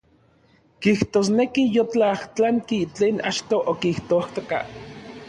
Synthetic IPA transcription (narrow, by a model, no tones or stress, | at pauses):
kiht̪oːsnekijot͡ɬaht͡ɬaŋkit͡ɬeːna̰t͡ʃt̪oʔokiht̪oaht̪oka̰